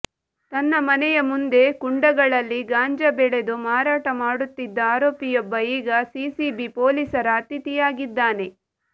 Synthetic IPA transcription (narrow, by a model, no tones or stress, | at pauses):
t̪ɐnːɐmɐnɛjɐmund̪e̞kuɳɖɐɡɐɭɐlːiɡaːɲd͡ʒɐbɛɭed̪umaːɾaːʈɐmaːɽut̪ːid̪ːɐaːɾoːpijɔbːɐiːɡɐsiːsibipoːlisɐɾɐːt̪it̪ijaːɡid̪ːaːne̞